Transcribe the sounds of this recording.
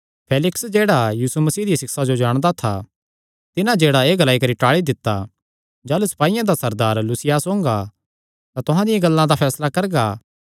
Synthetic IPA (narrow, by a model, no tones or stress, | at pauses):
pʰeːlɪksd͡ʒeːɽajiːsumɐsiːd̪ijasɪksad͡ʒod͡ʒaːɽ̃d̪at̪ʰa̰ | t̪ɪnãd͡ʒeːɽaeːɡɐlaːikɐɾiʈaːɭid̪ɪt̪ːa | d͡ʒaːlusɐ̥paːijãd̪asɐɾd̪aːɾlusɪjaːsõːŋɡa | t̪at̪ʊɦãd̪ɪjãɡɐlːãd̪apʰɛːslakɐɾɡaː